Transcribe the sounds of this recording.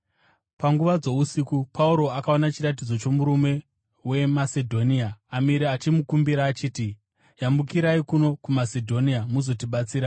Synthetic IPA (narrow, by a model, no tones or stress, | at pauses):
paŋɡuʋad͡zo̞usikupauɾo̞akaonat͡ʃirat̬id͡zo̞t͡ʃo̞muɾume̞ | we̞mase̞dʱo̞niaːmiɾeat͡ʃimukumbiɾaːt͡ʃiːti | jambukiɾaikuno̞kumasedʱo̞niamuzo̞tiɓat͡siːɾa